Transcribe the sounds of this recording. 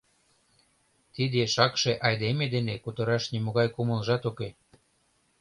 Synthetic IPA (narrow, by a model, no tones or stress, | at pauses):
t̪id̪eʃɑkʃeʔɑjd̪emed̪enekut̪ə̆ɾɑʃnimoɣɑjkuməlʒɑt̪oke